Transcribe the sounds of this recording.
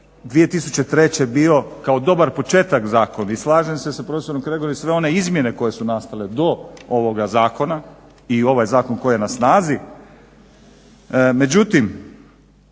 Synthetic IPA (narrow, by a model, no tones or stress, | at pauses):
d̪ʋije̞t̪isut͡ɕet̪ɾe̞t͡ɕe̞bio̞kaod̪o̞baɾpo̞t͡ʃe̞ːt̪akzaːko̞naislˠaːʒemsesapɾo̞feso̞ɾomkɾeɡoɾisʋe̞o̞ne̞izmje̞ne̞ko̞je̞sunast̪ale̞d̪o̞oʋoɡazaːko̞na | io̞ʋajzaːko̞nko̞jije̞nasnaːzi | me̞d͡ʑut̪im